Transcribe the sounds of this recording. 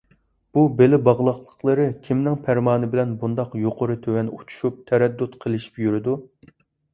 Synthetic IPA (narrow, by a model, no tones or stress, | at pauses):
b̥ubelɪbɑʁlˠɑχlˠəχlˠəɾɨkʲʰimnɪŋpʰæɾmɑːnɨbɪlɛnbund̪ɑqjoqʰoɾɨt̪ʰøwɛnut͡ʃʰu̥ʃup̚t̪ʰɛɾɛd̪ːut̪qʰəlˠɪʃi̥pjyɾɪd̪u